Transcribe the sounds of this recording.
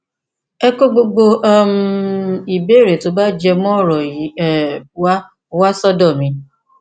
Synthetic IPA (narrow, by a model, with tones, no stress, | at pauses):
ɛ˦ko˦ɡ͡bo˧ɡ͡bo˧a˦mu˦i˨be˨˦˨ɾe˨to˨˦ba˦d͡ʒɛ˧mɔ̃˦˨ɾɔ˨ji˨˦ɛ˦˨wa˦˧ | wa˦sɔ˦dɔ˦˨mĩ˨˦